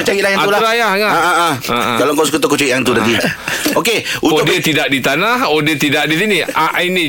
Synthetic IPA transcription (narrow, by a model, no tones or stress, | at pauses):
t͡ʃailahjanat̪ulaulajahŋaaaãkaloŋkawsəkut̪okot͡ʃaiʔjaŋt̪unat̪iokeuoʊdiət̪idaʔ̚dit̪anahodiət̪idaʔdisinĩaʔainĩ